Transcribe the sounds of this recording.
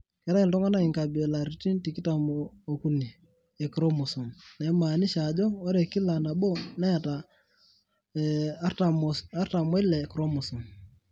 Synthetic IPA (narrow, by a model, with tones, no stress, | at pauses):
kɛ˦ɾa˦i˨ltɔ˦ŋa˦na˦i˨ŋka˨be˨la˨ɾi˨ti˦nti˨ki˦ta˨moo˨ku˦ni˨ | ɛ˨kɾo˦mu˨su˨mnɛ˨˦ma˨ni˦ʃa˨d͡ʒɔ˦o˦ɾɛ˨ki˦la˨na˨bo˦na˦ja˨ta˨ | ta˨msa˦ɾta˨mɔ˦i˦lɛ˨kɾo˦mu˨su˨n